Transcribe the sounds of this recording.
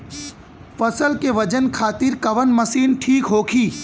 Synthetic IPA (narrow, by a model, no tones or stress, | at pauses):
fɐsəlkeʋɐd͡ʒənkʰaːt̪ɪɾkɐʋənmɐsiːnʈʰiːkɦoːkʰiː